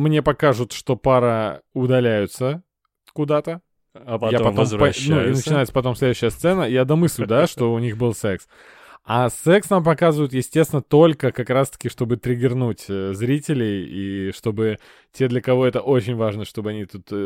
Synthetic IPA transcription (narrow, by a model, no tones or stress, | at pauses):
mnʲe̞pɐkaʐʊt̪ʂt̪o̞paɾəʊd̪ɐlʲæjʊt̪sə | kʊd̪at̪ə | japɐompɐnuinət͡ɕɪnajɪt̪səpɐt̪o̞mslʲed̪ʉɕːɪjəst̪sɛnəjad̪ɐmɨsʲlʲd̪aʂt̪o̞ʊnʲixbɨlˠsɛks | asɛksnampɐkazɨvʊjɪt̪jɪsʲtʲesʲvʲɪnət̪o̞lʲkəkɐkɾast̪ə̥kʲɪʂt̪o̞bɨt̪ɾʲɪɡʲɪrnutʲzɾʲitʲɪlʲɪjiʂt̪o̞bɨ | tʲe̞d̪lʲəkɐvo̞ɛt̪əʔo̞t͡ɕɪnʲvaʐnəʂt̪o̞bɨɐnʲit̪ut̪